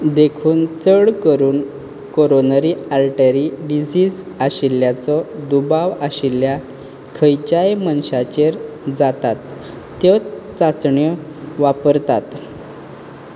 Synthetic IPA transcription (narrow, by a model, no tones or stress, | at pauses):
d̪ekʰuːnt͡səɽkəɾuːn | koɾonəɾialʈəɾiɖid͡zid͡z | aɕiljat͡sɔd̪ubaʋaɕilja | kʰəjt͡ɕajmənɕat͡ɕeɾ | d͡zat̪at̪ː | jɔt͡sat͡sɳjəʋapəɾt̪at̪